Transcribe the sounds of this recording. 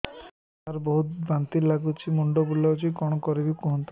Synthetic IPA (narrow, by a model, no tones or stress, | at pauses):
aɾbɔɦut̪bant̪ilaɡut͡ʃʰimuɳɖɔbulɔt͡ʃʰikɔɽ̃ɔkɔɾibikuɦɔnt̪